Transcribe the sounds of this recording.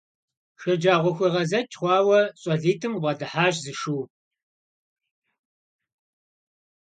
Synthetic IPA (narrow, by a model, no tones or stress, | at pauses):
ʃɐd͡ʒaːʁʷɔxʷiʁɐzɐt͡ʃʼχʷɑːwɐɕʼɐɮiːtʰɨmʁʷɐdɨħaːʒzɨʃuː